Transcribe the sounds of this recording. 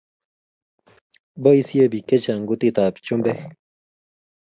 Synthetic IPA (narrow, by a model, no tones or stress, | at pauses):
boisiebiket͡ɕaŋɡut̪it̪aːpt͡ɕumbe